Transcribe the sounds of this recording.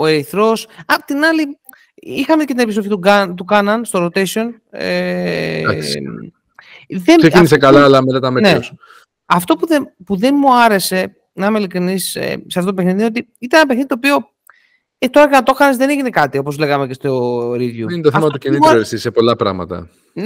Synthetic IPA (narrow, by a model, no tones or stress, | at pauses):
o̞eɾiθɾo̞sɐpot̪inɐli | ixɐmece̞t̪ineis̬ofit̪uɡɐt̪ukɐnɐnst̪o̞ɾot̪esio̞n | ḛ | ðenseinisekɐlɐːlɐmet̪ɐt̪ɐmenes | ɐft̪o̞puðepuðe̞nmuɐɾe̞se̞ | nɐmelikɾinisḛseɐft̪ot̪ope̞xniðio̞t̪i | it̪ɐnenɐpe̞xniðit̪opio̞ | et̪o̞ɾɐʝɐnɐt̪o̞xɐnezðeneʝine̞kɐt̪io̞po̞zle̞ɣɐme̞ce̞st̪oɾiðʝuinet̪oθɐmɐtɐt̪ucinit̪ɾsisepo̞lɐpɾɐ̰ɣmɐ̰t̪ɐ̰ | n